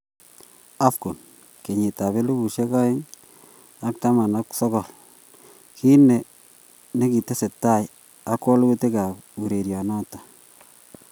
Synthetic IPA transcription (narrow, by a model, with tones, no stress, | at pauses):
a˦fko˨n | ke˨ɲɪ˨ta˨βe˦lu˦bu˨ʃe˦ka˦ɪ˦ŋ | a˦k̚ta˦ma˨na˦ksɔ˦kɔ˨l | ki˦ne˨ | ne˦ki˨te˦se˨tːa˦˨j | a˦kːɔ˦lɡu˦te˦ka˨pu˨ɾe˨ɾjɔ˨nɔ˦tḁ˨